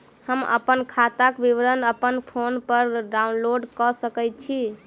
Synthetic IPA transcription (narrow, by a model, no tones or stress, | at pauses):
həmə̰pənkʰat̪akbiʋɾənəpənpʰonpəɾɖaunloɖkɔsəkɛjt̪̚t͡ʃʰi